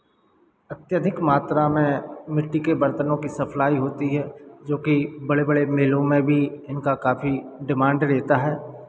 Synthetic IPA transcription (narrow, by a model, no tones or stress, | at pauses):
ɐt̪jəd̪ʱɪkmaːt̪ɾamẽmɪʈːikebɐɾt̪ənõkisɐpʰlaːiɦoːt̪iɦɛːd͡ʒoːkibɐɽebɐɽemeːlõmẽbʱiɪnkakaːfʰiɖɪmãːɳɖɾeːt̪aɦɛː